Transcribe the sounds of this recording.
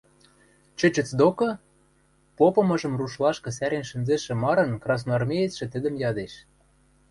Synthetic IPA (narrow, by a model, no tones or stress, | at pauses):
t͡ɕɘ̆t͡ɕə̆t͡sd̪okɤ̆ | popɤ̆mɤ̆ʒɤ̆mruʃlɑʃkɤ̆s̬æɾenʃə̆nzeʃĕmɑɾɤ̆nkrɑs̬noɑrmʲejet͡sʃĕt̪ə̆d̪ə̆mjɑd̪eʃ